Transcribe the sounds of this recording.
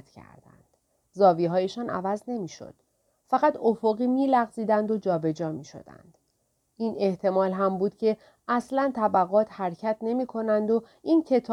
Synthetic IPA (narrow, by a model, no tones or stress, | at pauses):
t̪cʰæ̰ɾd̪æ̰nd̪̥ | zɒːviːɦɒːjeʃɒːnʔæ̰væzne̞miːʃo̰d̪̥ | fæɣæt̪ʰofoɣiːmiːlæɣziːd̪ænd̪o̞d͡ʒɒːbe̞d͡ʒɒːmiːʃo̞̰d̪̥æ̰nd̪̥ | iːne̞ht̪ʰe̞mɒːlɦæmbuːd̪̥cʰe̞ | æslænt̪ʰæbæɣɒːt̪ʰhæɾcʰæt̪ʰne̞miːkʰo̞nænd̪o̞ | incʰe̞t̪ʰː